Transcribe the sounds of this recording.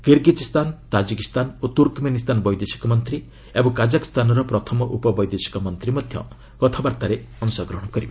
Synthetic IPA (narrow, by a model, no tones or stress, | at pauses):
kiɾɡid͡ʒist̪ant̪ad͡ʒikist̪anot̪uɾkmenist̪anbɔjd̪esi̥kɔmɔnt̪ɾi | ebɔ̃ŋkad͡ʒaki̥st̪ʰanɔɾɔpɾɔt̪ʰɔmɔʔupɔbɔjd̪esi̥kɔmɔnt̪ɾimɔd̪ʱjɔ̰ | kɔt̪ʰabaɾt̪aɾeɔnusaɔɡɾɔɦɔ̃ɽ̃ɔkɔɾib